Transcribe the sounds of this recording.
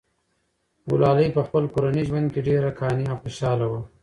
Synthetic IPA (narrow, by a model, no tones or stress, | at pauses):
wʊ̰lɑːləjpəxpəlkoɾaniʒwand̪̚keɖeɾakʰɑːniawxoʃɑːlawa